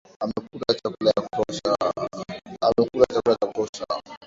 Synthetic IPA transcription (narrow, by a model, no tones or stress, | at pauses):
amɛkulat͡ʃakulajakɔsa | amɛkulat͡ʃakulajakɔsa